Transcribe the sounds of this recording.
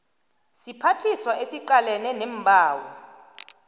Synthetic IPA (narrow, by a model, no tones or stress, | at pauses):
sipʰatʰiswaʔesiǃalɛnɛnɛm̩bʱaːwɔ